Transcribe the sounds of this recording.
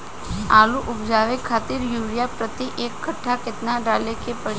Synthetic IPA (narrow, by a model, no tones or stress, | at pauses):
aːluʔʊpd͡ʒaʋekʰaːt̪iɾjuːɾijapɾət̪iʔeːkːəʈʰːakɪt̪naɖalekepəɽ